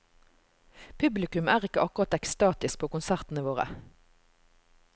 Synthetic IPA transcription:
pʰʉblɪkʉmæːʁɪkəʔɑkʊʁɑt̪ɛkst̪ɑːt̪ɪsk̚pʰoːkʊnsæʁt̪n̩əʋoːʁə̰

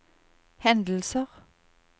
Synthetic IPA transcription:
hɛnd̪l̩səʁ

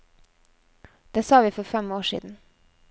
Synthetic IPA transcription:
d̪̥eːsɑːʋiːfɔɾfɛmoːʃḭːd̪n̩

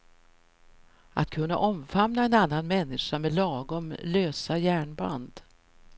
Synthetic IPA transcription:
ʔa̰t̪̚kʰɵnːa̰ʔɔmfamnaɛnanːanmɛnːɪʂamed̪lɑːɡɔmløːsajæːɳba̰nd̪

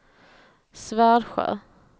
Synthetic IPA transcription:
svæːɾɧœ̰ː

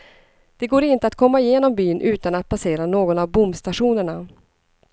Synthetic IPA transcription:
d̪̥ɛɡoːɾɪnt̪əat̪kʰɔmːaɪjeːnɔmbyːnʔʉ̟ːt̪anat̪̚pʰaseːɾanoːɡɔnavbʊmst̪aɧuːnəɳa

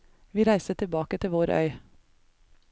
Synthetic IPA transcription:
ʋiːɾæɪsət̪ʰɪbɑːkət̪ʰɪʋoːɾʔœ̰ʏ

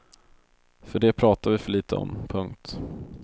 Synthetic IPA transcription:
fœɖɛpʰɾɑːt̪avɪfœɭiːt̪ʰəɔ̰mpʰɵŋkt̪

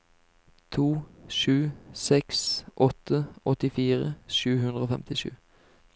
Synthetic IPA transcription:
t̪ʰuːʃʉːsɛksʔɔt̪əʔɔt̪ɪfiːʁə̰ʃʉːɦʉnʁəoːfɛmt̪ɪʃʉ̰ː

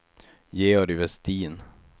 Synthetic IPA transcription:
jeːɔɾɪvɛst̪iːn

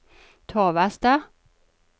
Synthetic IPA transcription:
t̪ʰoːʋæst̪ə

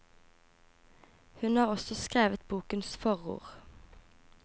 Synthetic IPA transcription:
hʉnhɑːʁɔsɔskʁeːʋət̪buːkənsfɔʁṵːʁ

